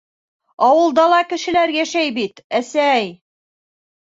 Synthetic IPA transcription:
ɑwɤ̆lˠd̪ɑlˠɑkɘ̆ʃɘ̆læɾjæʃæjbit̪æsæj

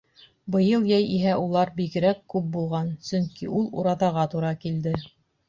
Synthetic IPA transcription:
bɤ̆jɤlˠjæjiɦæʔulˠɑɾbiɡɘ̆ɾækːʉp̚bulˠʁɑnsɵŋkiʔulˠṵɾɑðɑʁɑt̪uɾɑkild̪ɘ

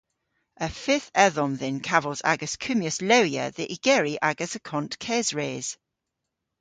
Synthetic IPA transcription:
əfɪθɛðɔmðɪ̃nkʰavəlˠza̰ɡəskʰʉmjəsləʊjə̰ðiʔɪɡ̥ɛːɹiʔaɡəsəkʰɔ̃nʔkʰɛːzɹeːz̥

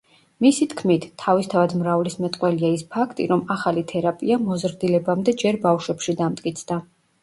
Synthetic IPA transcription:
misit̪ʰkʰmit̪ʰːavist̪ʰavad̪mɾavlismɛt̪ʼqʼwɛliaispʰakʰt̪ʼḭɾɔmaχalit̪ʰɛɾapʼiamɔzɾd̪ilɛbamd̪ɛd͡ʒɛɾbafʃwɛpʃid̪amt̪ʼkʼit̪sʰd̪a

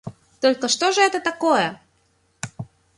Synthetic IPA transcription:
t̪olʲkəʂt̪oʐəɛt̪ət̪akojə

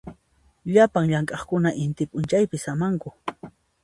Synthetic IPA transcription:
ʎapaŋʎaŋkʼɑχkʊnaʔɪnt̪ɪpʼʊnt͡ʃajpɪsamaŋkʊ

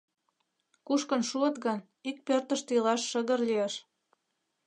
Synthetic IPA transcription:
kuʃkə̆nʃuə̆t̪ɣɤn | ik̚pørt̪ə̆ʃt̪ilɑʃːə̆ɣə̆rlijeʃ

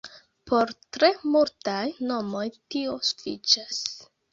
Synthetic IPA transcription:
pʰo̞ɾtɾe̞multajno̞mo̞jtiosu̥fḭt͡ʃas

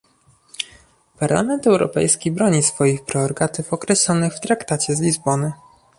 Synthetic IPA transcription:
paɾla̰mɛnt̪ɛwɾɔ̰pɛ̰jskʲibɾɔɲisfɔjixpɾɛɔɾɡat̪ɘfɔkɾɛɕlɔnɘxft̪ɾakt̪at͡ɕɛzlʲizbɔnɘ

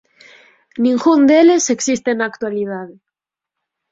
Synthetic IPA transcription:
nĩŋɡund̪eleseksist̪enaːkt̪walið̞aðe

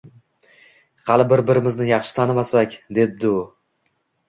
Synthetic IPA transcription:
hɑlˠɪbɪɾbɪɾɪmɪznɪjɑχʃɪ̥t̪ʰanɪmasakʲd̪e̞b̚d̪ɪʊ

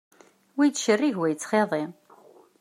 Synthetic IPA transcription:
wijt͡sʃərːiʝwæjt͡sːχeðˤe

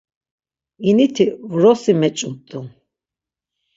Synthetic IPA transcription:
init̪ʰivɾɔsimɛt͡ʃʼumt̪ʼun

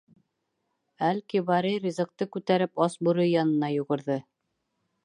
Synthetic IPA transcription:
ælkiβɑɾejɾizɤ̆k̚t̪ɤkʉt̪æɾɘpɑsbuɾɤjːɑnɤ̆nɑjuʁɤ̆ɾðɤ

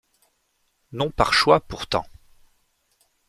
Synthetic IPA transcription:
nɔ̃paʁʃwapuʁt̪ɑ̰̃

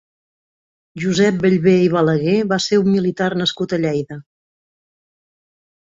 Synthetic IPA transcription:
ʒuzɛp̚bəʎβeiβ̞ələɣeβaseumːilit̪arnəskut̪əʎɛjðə

